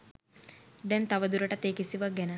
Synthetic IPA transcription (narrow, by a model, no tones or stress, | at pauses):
d̪ɛnt̪aʋəd̪uɾəʈət̪eːkisiʋəɡɛnə